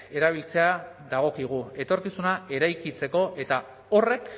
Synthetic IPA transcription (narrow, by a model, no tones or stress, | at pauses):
e̞ɾaβ̞ilt͡se̞aðaɣ̞o̞kiɣ̞ue̞t̪o̞ɾkisunae̞ɾajkit͡se̞ko̞ʔe̞t̪a | o̞re̞k